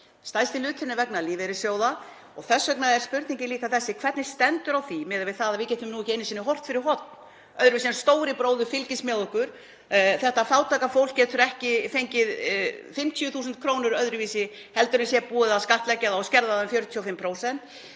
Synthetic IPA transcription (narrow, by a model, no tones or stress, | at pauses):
st̪aːjst̪ɪlʏːt̪θɪnːɪɾvɛknaliːvɛɾɪ̥sjoːwða | ɔɣθɛsːœknaðɛɾ̥spʏɾt̪niɲcɪnliːkaθɛsːɪkʰv̥ɛɾt̪nɪ̥st̪ɛnt̪ʏɾawθimɪːðɪɾvɪðθaðaðvɪcɛːt̪ʏmnuɛhcɪɪnːɪs̬inːɪɦɔr̥t̪fɪɾɪɾ̥ɦɔt̪̚n | œðɾʏviːsɛnst̪oːwɾɪpɾoːwðʏfɪlcɪsmɛːðɔhkʏɾ̥ | θɛht̪afaːwt̪ʰaːkafowl̥kcːɛːt̪ʰʏɾɛhcɪfejɲcɪðfɪm̥t̪ʰjʏθuːsʏnt̪̚kʰɾoːwnʏɾœðɾʏviːsɪ | hɛl̪t̪ʏɾʏmsjɛpuːɪðaskaht̪lɛcːaðaɔscɛɾðaðʏfjœɾʏt̪ʰiɔfɪmpʰɾoːwsɛn̥t̪